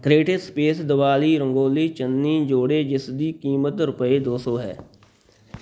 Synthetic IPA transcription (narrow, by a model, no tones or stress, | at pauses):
ɡɾeːʈɪʈspeːsd̪ɪʋaːliːɾə̃ŋɡoːliːt͡ʃənːĩːd͡ʒoːɽeːd͡ʒɪsd̪iːkiːmət̪ɾʊpəeːd̪oːsoːɦɛ̰ː